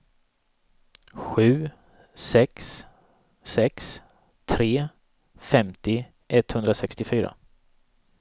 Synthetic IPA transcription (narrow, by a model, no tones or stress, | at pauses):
ɧʉ̟ː | sɛksː | ɛks | t̪ʰɾeː | fɛmt̪ɪ | ʔɛt̪hɵnd̪ɾasɛkst̪ɪfyːɾa̰